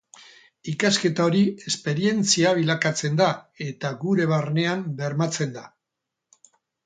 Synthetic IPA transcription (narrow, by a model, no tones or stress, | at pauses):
ikaske̞t̪ao̞ɾie̞spe̞ɾie̞nt͡siaβ̞ilakat͡se̞nd̪ae̞t̪aɡuɾe̞β̞aɾne̞ambe̞ɾmat͡se̞nd̪a